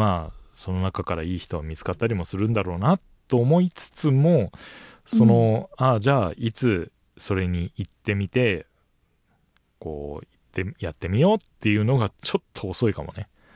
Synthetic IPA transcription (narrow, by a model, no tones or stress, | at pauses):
aːso̞no̞nakakaɾaiːçi̥t̪o̞βamʲit͡sɨ̥kat̪ːaɾʲimo̞sɨɾɯ̟̃nd̪aɾo̞ːnat̪ːo̞ːmo̞it͡sɨ̥t͡sɨmo̞ | so̞no̞ad͡ʑaːit͡sɨ | so̞ɾe̞ɲ̟iit̪ːe̞mʲit̪e̞ | ko̞̰ːit̪ːejat̪ːe̞mʲijo̞ːt̪ːe̞jɯ̟no̞ɡat͡ɕo̞t̪ʰːoːso̞ikamo̞̰ne̞